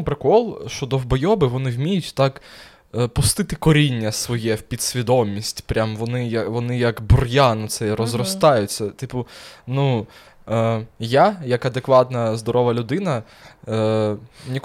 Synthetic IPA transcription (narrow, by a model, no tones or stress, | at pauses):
pɾekɔlˠʃt͡ʃɔd̪ɔwbɔjɔbɪʋɔnɪwmʲijʊtʲt̪ɑk | pʊst̪ɪt̪ɪkɔɾʲinʲːɐsʋɔjɛwpʲid̪sʲʋʲid̪ɔmʲisʲtʲpɾʲamʋɔnɪjɐʋɔnɪjɐkbʊrjanɔt̪sɛɾɔzrɔst̪ɑjʊt͡sʲːɐt̪ɪpʊnu | jajɐkɐd̪ekʋɑt̪nɐzd̪ɔɾɔʋɐlʲʊd̪ɪnɐ | nʲik